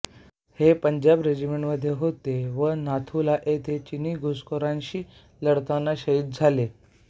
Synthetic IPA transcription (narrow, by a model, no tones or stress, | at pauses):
hepəɲd͡ʑabɾed͡ʑimeɳʈməd̪ʱːjeɦot̪eʋənat̪ʰulaʔet̪ʰet͡ɕiniːɡʱoskoɾãnɕiː | ləɽt̪anːaɕəit̪̚d͡zʱale